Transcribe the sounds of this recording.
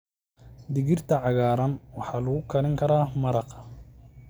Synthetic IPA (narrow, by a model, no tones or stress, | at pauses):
d̪ɪɣɪrt̪ʰɐʕɑɣaːɾɐnwɑħɑːlɐɣʊkʰɐlɪŋkʰɐɾaːmɐɾɑq